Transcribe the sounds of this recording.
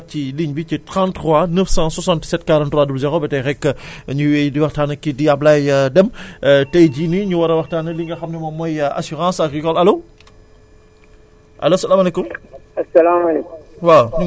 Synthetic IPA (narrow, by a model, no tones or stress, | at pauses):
ciliɲbicitãntːʁwaːnəfsãːsɔsãntsɛt̚kaɾantɾwaːdubzɛɾoːbɛtɛjrɛkːəɲuwɛjdiwɐxtaːnɐkːidiɐblajdɛmtɛjɟiːniɲuwɐɾɐwɐxtaːnɐliŋɡɐxɐmnɛmɔmɔja̰suʁãːsɐkrikɔlɐloː | ʔɐ̰losɐlaːmalɛkumɐsɐlamɐlekuwa